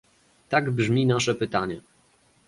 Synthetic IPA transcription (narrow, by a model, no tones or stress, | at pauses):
t̪aɡbʐmʲinaʂɛpɘt̪aɲɛ